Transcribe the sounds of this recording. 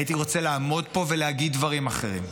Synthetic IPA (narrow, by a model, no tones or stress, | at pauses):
jit̪iʁo̞t͡seleaːmo̞d̪po̞ve̞leaɡid̪vaʁimaχe̞̰ʁḭm